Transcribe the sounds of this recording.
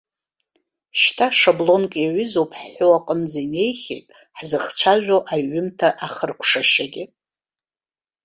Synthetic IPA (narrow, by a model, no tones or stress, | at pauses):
ʃtʰaʂablo̞nkʼjaɥʏzowpʼʰħħowaqʼənd͡zaine̞jχʲḛjtʼ | ħzɨχt͡ʃʷʰaʒʷᶣoʔajːʏmtʰaʔaχərkʷʰʂaʃaɡʲɪ